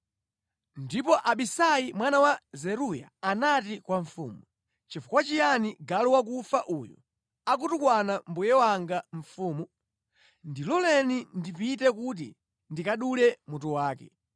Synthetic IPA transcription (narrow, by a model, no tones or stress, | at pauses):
ndipɔʔaɓisajimwanawazɛɾuja̰ːnatikwaɱfṵːmu | t͡ʃifukwat͡ʃijaniɡalɔwak̬ufaʔuːjɔ̰ | ak̬utukwanambujɛwaŋɡaɱ̩fuːmu | ndilɔlɛnindipitɛk̬ut̬ḭ | ndikaɗulɛmutuwaːkɛ̰